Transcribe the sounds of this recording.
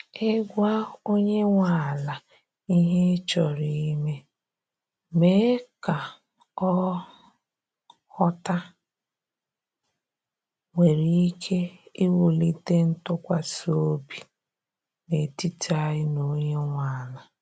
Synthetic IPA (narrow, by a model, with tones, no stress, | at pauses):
e˦ɡʷa˦o˦ɲe˦ŋʷa˨la˨ | i˦ɦe˦t͡ʃɔ˨ɾi˨i˦me˦ | me˦ka˨ | ɔ˦ | hɔ˦ta˦ | ŋʷe˨ɾi˦i˦kʰe˦i˦wu˨li˦te˦n̩˦tʊ˦kʷa˨so˦bi˨ | ne˨ti˦ta˦ɪ˦no˨ɲe˦ŋʷa˨la˨